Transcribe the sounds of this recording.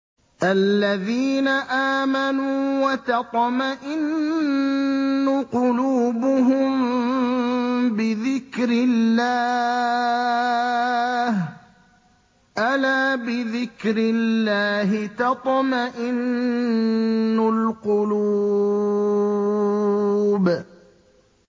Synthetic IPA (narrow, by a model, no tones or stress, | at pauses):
ʔalːaðiːnaʔaːmanuːwɑt̪ɑt̪ˤmaʔɪn | ʊqʊluːbʊɦʊm | bɪðɪkɾɪlːaː | h | ʔalaːbɪðɪkɾɪlːaːɦɪt̪ɑt̪ˤmaʔɪn | ʊlqʊlu | b